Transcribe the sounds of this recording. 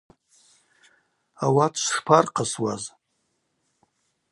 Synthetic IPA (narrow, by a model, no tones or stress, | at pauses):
awatʰʷʂpʰarqʰəswaz